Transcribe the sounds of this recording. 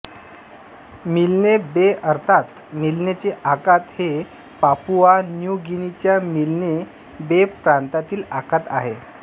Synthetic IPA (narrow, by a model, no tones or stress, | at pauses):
milnebeəɾt̪ʰat̪ | milnet͡ɕeʔakat̪he | papuʋanjuɡinit͡ɕjamilne | bepɾant̪at̪iːlakat̪a̰ɦe